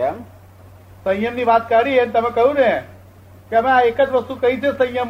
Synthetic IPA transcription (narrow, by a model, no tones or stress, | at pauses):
em | sə̃j̃jəmniʋat̪kəɽiɦent̪əmẽkəɦũne | keəmẽaekəd͡ʒʋəst̪ukəɦĩt͡ʃʰesə̃jəm